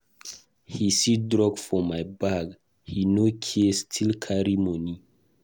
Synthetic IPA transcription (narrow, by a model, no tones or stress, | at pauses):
hisidɹɔɡfɔmajbaɡ | hinokʰistʰilkʰaɹimɔni